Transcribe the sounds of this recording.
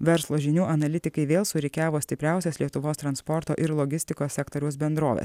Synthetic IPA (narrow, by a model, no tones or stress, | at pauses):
ʋʲɛɾslˠoːʒʲɪnʲuːʔɐnɐlʲɪt̪ʲɪkɐɪʋʲeːlˠsʊɾʲɛkʲæːʋoːsʲt̪ʲɪpʲɾʲæˑʊsʲɛslʲiɛt̪ʊʋoːst̪ɾɐnspɔɾt̪o̰ːʔɪɾlˠɔɡʲɪsʲt̪ʲɪkoːsʲɛkt̪oːɾʲɛʊsbʲɛnd̪ɾoːʋʲḛːs